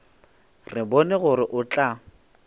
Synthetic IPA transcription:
rɪbɔnɛɣʊrɪʔʊt͡ɬʼa

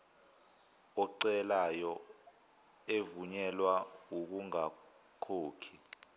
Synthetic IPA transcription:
ɔǀɛlajɔ | evuɲɛlwauk̬uŋa | kʰoːkʰi

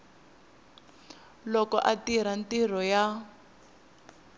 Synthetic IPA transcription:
lɔkɔ̰ʔatiɾ̤antir̤ɔja

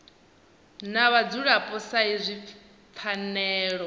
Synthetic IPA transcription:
naβad͡zuɺapʼɔsaizʷi | p̪fʰanɛːɺɔ

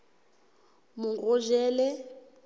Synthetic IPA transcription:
muŋɡɔʒɛːlɛ

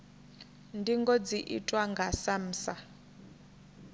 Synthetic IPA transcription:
ndiŋɡɔd͡ziʔḭtʼwaŋɡasam̩ːsa

